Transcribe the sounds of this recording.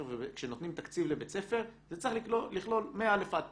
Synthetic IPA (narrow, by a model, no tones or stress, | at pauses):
ʁvekʃeno̞t̪nimt̪akt͡sivlebet͡se̞fe̞ʁzet͡saχliliχlo̞lmeaalefat̪